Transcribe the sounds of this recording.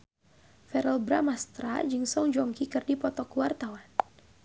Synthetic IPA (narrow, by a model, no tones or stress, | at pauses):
fɛɾɛlbɾamast̪ɾa̰d͡ʒɨŋsɔŋd͡ʒɔŋkikɨrdipɔt̪ɔkuwart̪awan